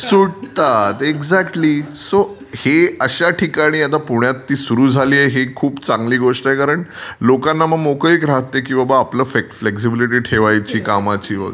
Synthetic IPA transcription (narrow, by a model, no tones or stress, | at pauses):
suɽt̪at̪eɡzækʈliːso | heəɕaʈʰikaɽ̃iːat̪̬apuɳjat̪ːiːsuɾuːd͡zʱaliːjeɦekʰuːpt͡sãŋɡliːɡoʂʈəekaɾəɳlokanːaməɡmokəikɾaɦt̪ːekĩw̃ʋabaːpləːfekfleks̬ibiliʈ̬iːʈʰeʋajt͡ɕiːkamat͡ɕiːʋə̰ɡə